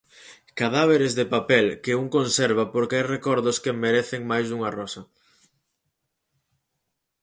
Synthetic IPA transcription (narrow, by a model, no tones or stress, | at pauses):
kaðaβ̞eɾezðepapɛlkɪuŋkonsɛɾβ̞apoɾkeajrekɔɾðʊskemeɾeθɪŋmajsuŋarɔsɐ